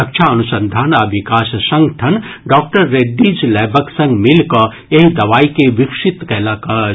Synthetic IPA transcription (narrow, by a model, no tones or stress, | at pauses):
ɐkt͡ʃʰaɐnusənd̪ʱaːnaʋikaːssɐ̃ŋɡʈʰɐnɖɔːk̚ʈəɾːeɖːid͡ʒlɛːbʱəksɐ̃ŋɡmilkɐ | eɦd̪ɐʋaːikeʋikʂit̪kɛɦlakɐ